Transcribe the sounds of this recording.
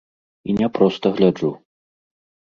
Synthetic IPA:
inʲɛpɾɔst̪ɐɣlʲad͡ʐu

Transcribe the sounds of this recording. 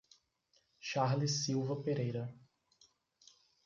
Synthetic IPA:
ʃaɾlisiwvɐpeɾejɾɐ

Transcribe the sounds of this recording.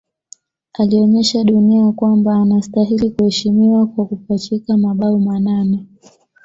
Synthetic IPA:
aliɔɲɛʃaɗuniakwambaːnastaɦilikuhɛʃimiwakwakupat͡ʃikamaɓaumananɛ

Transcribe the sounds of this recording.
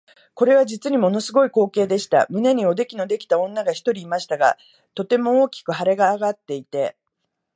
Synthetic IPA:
ko̞ɾe̞β̞ad͡ʑit͡sɨɲ̟imo̞no̞sɨɡo̞iko̞ːke̞ːd̪e̞ɕi̥t̪a̰mɯ̟ne̞ɲ̟io̞d̪e̞kʲino̞d̪e̞kʲi̥t̪aõ̞nːaɡaçi̥t̪o̞ɾʲiːmaɕi̥t̪aɡa̰ | t̪o̞t̪e̞mo̞oːkʲi̥kɯ̟ɦaɾe̞ɡaːɡat̪ːe̞it̪e̞

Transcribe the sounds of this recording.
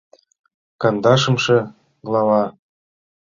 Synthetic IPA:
kɑnd̪ɑʃɤ̆mʃɤ̆ | ɡlˠɑβɑ

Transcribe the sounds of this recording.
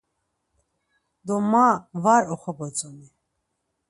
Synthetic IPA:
d̪ɔmavaɾɔχɔbɔt͡sʼɔni

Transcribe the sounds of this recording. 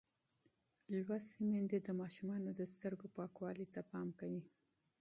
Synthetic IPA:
lwasimend̪ed̪əmɑʃumɑnod̪əst̪əɾɡopɑkwɑlit̪apɑmkawi

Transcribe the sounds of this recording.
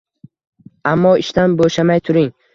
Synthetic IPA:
amːɒɪʃt̪anboʃamajt̪ʰʊɾɪŋ

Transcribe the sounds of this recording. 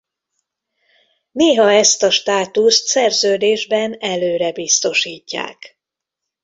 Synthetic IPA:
neːɦɒɛst̪ɒʃt̪aːt̪ust̪sɛrzøːd̪eːʒbɛnɛløːɾɛbist̪o̞ʃiːcːa̰ːk

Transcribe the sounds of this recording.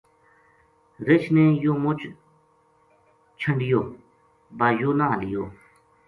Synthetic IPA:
ɾɪt͡ʃʰnẽːjoːmʊt͡ʃ | t͡ʃʰəɳɖɪjoː | baːjoːnaːɦlɪjoː

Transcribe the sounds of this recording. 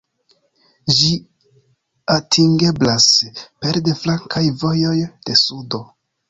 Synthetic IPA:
d͡ʒi | atʰiŋɡe̞blaspe̞ɾde̞flaŋkʰajvo̞jo̞jd̥e̞sudo̞

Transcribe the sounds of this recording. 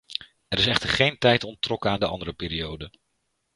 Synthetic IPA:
ɛɾɪsɛχtəɹχejntɛjtɔntrɔkəaːndəʔɑndəɾəpɪːɾiowdə

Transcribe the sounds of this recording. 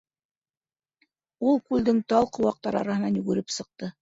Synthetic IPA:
ulˠkʉld̪ɘŋt̪ɑlˠqŏwɑq̚t̪ɑɾɑ̰ɾɑhɤ̆nɑnjʉɡɘ̆ɾɘpsɤ̆q̚t̪ɤ

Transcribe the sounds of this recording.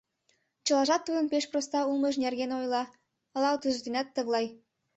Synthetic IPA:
t͡ɕə̆lɑʒɑt̪ːud̪ənpeʃprost̪ɑulməʃnerɣenojlɑ | əlɑwt̪yzd̪ynæt̪ːəɣlˠɑj

